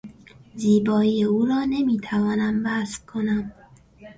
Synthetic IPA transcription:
ziːbɒːijeuːɾɒːne̞miːt̪ʰævɒːnæmbæskʰo̞næm

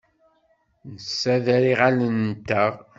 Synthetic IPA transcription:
nəsːæðæɾiʁalənt̪ːəʁ

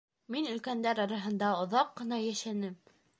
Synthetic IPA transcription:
minɵ̆lkænd̪æɾɑɾɑɦɤ̆nd̪ɑŏðɑqːɤ̆nɑjæʃænɘm

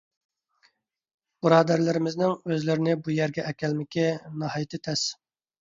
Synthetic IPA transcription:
b̥ɨɾɑːd̪æɾlɪɾɪmɪznɪŋøzlɪɾɪnɪbujæɾɡʲɛʔɛkʲɛlmɪkʲɪnɑhɑːjt̪ʰɪt̪ʰɛs

